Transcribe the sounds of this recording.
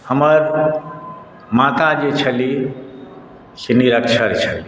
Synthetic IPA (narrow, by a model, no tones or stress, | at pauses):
həməɾ | mat̪ad͡ʒet͡ʃʰəli | seniɾəkt͡ʃʰəɾt͡ʃʰəli